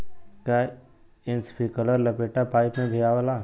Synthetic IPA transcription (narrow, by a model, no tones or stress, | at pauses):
ka | ɪnspikələɾləpeʈapaːjpmẽbʱijaʋəla